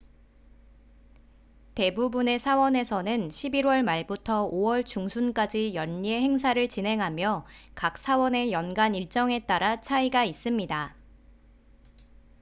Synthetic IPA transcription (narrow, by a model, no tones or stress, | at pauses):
te̞bubune̞sʰawʌne̞sʰʌnɯnɕʰibiɾwʌɭmaɭbutʰʌowʌɭt͡ɕuŋsʰunk͈ad͡ʑijʌnːie̞ɦe̞ŋsʰaɾɯɭt͡ɕinɦe̞ŋɦamjʌkak̚s͈ʰawʌne̞jʌnɡaniɭt͡ɕ͈ʌŋe̞t͈aɾat͡ɕʰaiɡais͈ɯmɲida